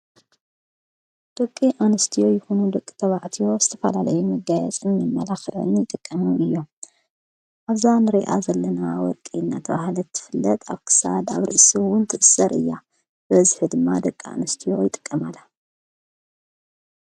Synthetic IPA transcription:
d̪̥okʼːiʔanɨst̪ʰijo̞jɪxunud̪ɐkʼːit̪ʰɐβaʕt̪ʰijo̞z̥ɨt̪ʰɐfɐlalɐjumɐɡajɛt͡sʼɨnmɐmːɐlaxɨʕɨ̰njɪt̪ʼɨkʼːɐmuɨjːo | ʔaβzanɨɾeʔa̰zɐlːɐnawɔ̰ɾkʼinːa̰t̪ʰɐβahlɐt̪ʰːɨ̥fɨlːɐt̪ʰa̰βkʰɨ̥sa̰d̪a̰βɾɨʔsuwʊnt̪ʰɨʔɨsɐɾʔɨ̰jːa | bɐzɨħɨd̪ɨmːad̪ɐkʼːia̰nɨst̪ʰijo̞jɪt̪ʼɨ̥kʼːɐmalːa

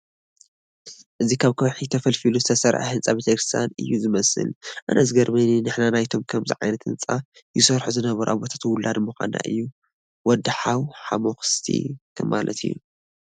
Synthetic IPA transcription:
ʔɨzikʰaβkʰowħit̪ʰɐfɐlfiluzɨt̪ʰɐsɐɾʕa̰hɨnt͡sʼabet̪ʰɐkɾɨst̪ʰja̰nɨ̰jːuzɨmɐsɨ̰lʔa̰nʔɐzɡɐɾmɐninɨħnanajt̪ʰo̞mkʰɐmzḭʕajnɐt̪ɨnt͡sʼa | jɪsɐɾħuzɨnɐβɐɾuʔaβot̪ʰḁt̪wʊlːad̪muxʷa̰na̰ʔɨ̰jːu | wɔd̪ħawħamoxɨ̥st̪ʰḭkʰɐmːalʔɐ̰t̪ʰɨjːṵ

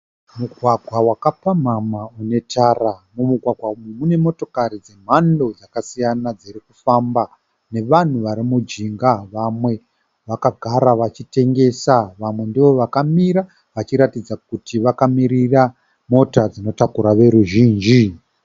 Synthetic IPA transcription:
muɡʱwaɡʱwawakapam̤amaune̞tʰaːramumuɡʱwaɡʱwaumemune̞mo̞to̞kaɾid͡ze̞m̤ando̞d͡zakasijanad͡zirikufamba | ne̞ʋan̤uʋaɾimud͡ʒiŋɡaʋamwe̞ | ʋakaɡʱaɾaʋat͡ʃite̞ŋɡe̞saʋamwe̞ndiʋo̞ʋakamiɾa | ʋat͡ʃiɾatid͡zakutʰiʋakamiɾira | mo̞tad͡zino̞takuɾaʋe̞ɾuʒiːnd͡ʒi

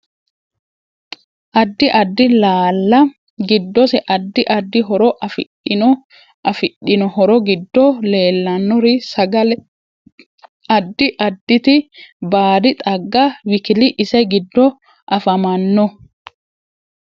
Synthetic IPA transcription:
ʔɐd̪ːɪʔɐd̪ːɪlaːlːɐ | ɡɪd̪ːɔsɛʔɐd̪ːɪʔɐd̪ːɪɦɔɾɔʔɐfɪ | ɪ | ɐfɪɗɪnɔhɔɾɔɡɪd̪ːɔle̞ːlːɐnːɔɾɪsɐɡɐlɛ | ɐd̪ːɪʔɐd̪ːɪt̪ɪbaːd̪ɪt̪ʼɐɡːɐwɪkɪlɪʔɪsɐɡɪd̪ːɔ | ʔɐfɐmɐnːɔ

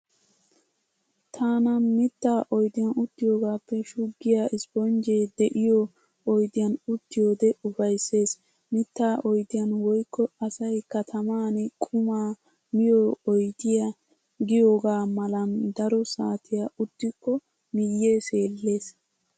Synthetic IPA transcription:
t̪ʰaːnɐnmɪt̪ːaːʔɔjd̪ɪjɐnʊt̪ːɪjo̞ːɡaːpːɛʃʊɡːɪjaʔɪspɔnd͡ʒeːd̪ɛʔɪjɔ | ɔjd̪ɪjɐnʊt̪ːɪjo̞ːd̪ɛʊfɐjsːe̞ːs | mɪt̪ːaːʔɔjd̪ɪjɐnwɔjkːɔɐsɐjkɐt̪ʰɐmaːnɛkʼʊmaː | mɪjoɔjd̪ɪja | ɡɪjoːɡaːmɐlɐnd̪ɐɾɔsa̰ːt̪ʰɪjaʔʊt̪ːɪkːɔ | mɪjːeːse̞ːlːe̞ːs

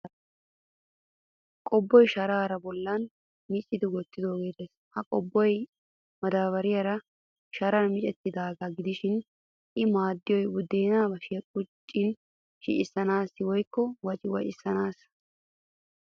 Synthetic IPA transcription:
kʼɔbːɔjʃɐɾaːɾɐbɔlːɐn | mɪt͡ʃʼːɪd̪ɪwɔt̪ːɪd̪o̞ːɡeːd̪eːs | hɐkʼɔbːɔj | mɐd̪aːβɐɾɪjɐɾɐ | ʃɐɾɐnmɪt͡ʃʼɛt̪ːɪd̪aːɡɐɡɪd̪ɪʃɪn | ʔɪmaːd̪ːɪjɔjwʊd̪ːeːnaːbɐʃɪkʼʊt͡ʃʼːɪn | ʃɪ̰ʔɪsːɐnaːsːɪwɔjkːɔwɐt͡ʃʼɪwɐʔɪsːɐnaːs

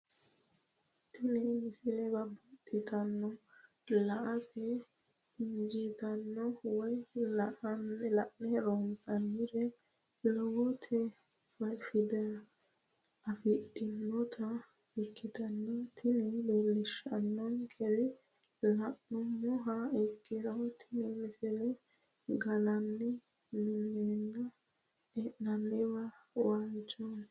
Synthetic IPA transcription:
t̪ɪnɛmɪsɪlɛbɐbɐtʼːɪt̪ɐnːɔ | lɐʔɐtɛ | ɪnd͡ʒɪt̪ɐnːɔwɔjlɐʔnlɐʔnɛɾoːnsɐnːɪɾɛ | lɔwɔt̪ʰɛ | wɐlfɪd̪ɐ | ɐfɪɗɪnːɔt̪ʰɐ | ɛkːɪd̪ɐnːɐt̪ʰɪnɛbeːlːɪʃɐnːɔnɡʰɛlɪ | lɐʔːɔmɔɦɐɛkːɪd̪ɐwt̪ʰɪnɛmɪsɛlɛ | ɡɐnɐnːɛ | mɪnenːɐ | ɛʔnɐnːɪwɐwant͡ʃːon

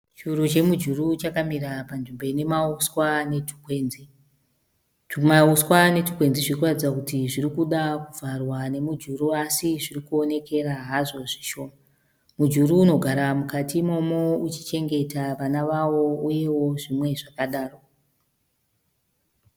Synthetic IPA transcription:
t͡ʃurut͡ʃe̞mud͡ʒurut͡ʃakamiɾapanʐimboine̞mauswane̞tʰu̥kwe̞ːnzi | mauswane̞tu̥kwe̞nziʐiokuratid͡zakutiʐiɾikuɗakuvʱarwane̞mud͡ʒuɾuasiʐirikuo̞ne̞ke̞ɾaɦaʐo̞ʐiʃo̞ːma | mud͡ʒuɾuːno̞ɡʱaɾamukatimo̞mo̞ut͡ʃi̥t͡ʃe̞ŋɡe̞taʋanaʋawo̞uje̞wo̞ʐimwe̞ʐakaɗaːro̞

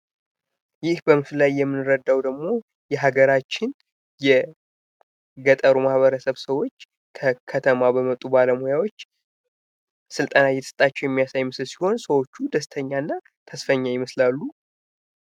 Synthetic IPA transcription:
jɪhbəmɨfɨlajːɛmːɨnɨɾəd̪ːawd̪əɡmo̞ | jɛɦaɡəɾat͡ʃːɪn | jɛ | ɡət̪ʼəɾumahβəɾəsəβsəwo̞t͡ʃː | kʰəkʰət̪ʰəmabəmət̪ʼːubaləmojawo̞t͡ʃː | sɨlt̪ʼənajɛt̪ʰɨst̪ʼat͡ʃːɛwjɛmːijasajməslsi̥ho̞nsəwo̞t͡ʃːud̪əst̪ʰəɲːanːa | t̪ʰəsfəɲːajɪməslalːu

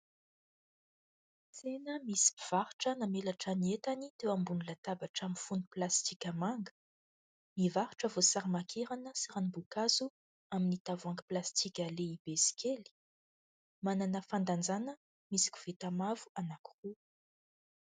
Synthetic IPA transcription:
t͡senəmisi̥piv̥aɾuʈ͡ʂənamelaʈ͡ʂaniet̪anit̪ewambunilat̪abaʈ͡ʂamifuniplast̪ikʲamaŋɡə̥ | mivaɾʈ͡ʂəvosaɾimakʰeɾanəsaɾanibukazu | aminit̪avaŋɡiplast̪ikʲaleib̥esi̥kʲʰeli̥ | mananəfand̪and͡zanə | misi̥kʲu̥v̥et̪amavuanaku̥ru

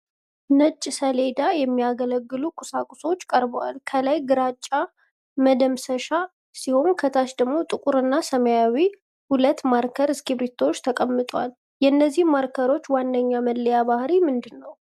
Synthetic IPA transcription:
nət͡ʃʼːsəle̞d̪ajɛmːijaɡələɡːɨlukʼʊsakʼuso̞t͡ʃːkʼəɾbəwa̰lkʰəlajɡɨɾat͡ʃʼːa | məd̪əmsəʃa | siho̞nkʰət̪ʰaʃd̪əɡmo̞t̪ʼɨkʼuɾɨnːasəməjawi | hulət̪maɾkʰəɾɨskʰiβɾit̪ʰːo̞t͡ʃːt̪ʰəkʼəmːɨt̪ʼwa̰l | jɛnːəzːihmːaɾkʰəɾo̞t͡ʃːwandəɲːaməlːəjabahɾimɨnd̪ɨnːəw

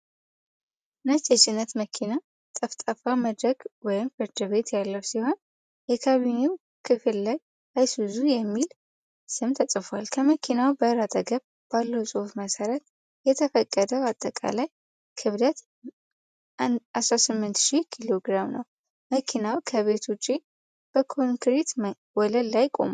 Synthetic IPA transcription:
nat͡ʃʼːɛt͡ʃʼɪnːət̪məkʰina | t̪ʼəft̪ʼəfaməd̪ɾəɡwɔjɪmfɨɾd̪ɨβe̞t̪jalːəwsiho̞n | jɛkʰaβimew | kʰɨfɨlːaj | ʔajsbɨzujɛmːil | sɨmt̪ʰəsʼɨfalkʰəməkʰinawbəɾat̪ʼəɡəβ | b̥alːəwsʼuht̪məsəɾət̪ | jɛt̪ʰəfəkʼːəd̪əwat̪ʼːəkʼa̰laj | kʰɨβlət̪ | asɾasɨmːɨnt̪ʃihkʰilo̞ɡɾamnə̰w | məkʰinawkʰəβe̞t̪ʰut͡ʃʼːi | b̥əkʰoŋkɾet̪ | wɔləllajkʼo̞̰m

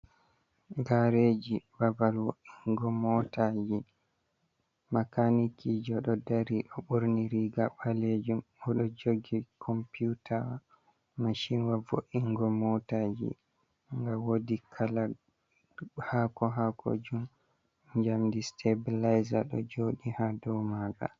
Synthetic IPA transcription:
ɡaɾed͡ʒibabalwoʔiŋɡɔmɔtad͡ʒi | makanikid͡ʒɔɗɔdaɾiʔɔɓuɾniɾiɡaɓaled͡ʒumɔɗɔd͡ʒoɡikʰɔmpijutʰawa | maʃinwavo̰ʔiŋɡɔmɔtad͡ʒḭ | ŋɡawodikʰala | hakɔɦakʰo̰d͡ʒum | ɲd͡ʒamdistʰebilajzaɗɔ̰d͡ʒoɗihadɔmaːɡa̰

